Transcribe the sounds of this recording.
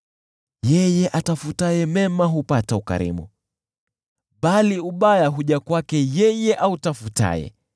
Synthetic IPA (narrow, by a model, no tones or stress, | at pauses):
jɛjɛʔatafutajɛmɛmaɦupatauka̰ɾḭmṵ | ɓaliuɓajaɦuʄakwakɛjɛjɛʔautafuta̰jɛ̰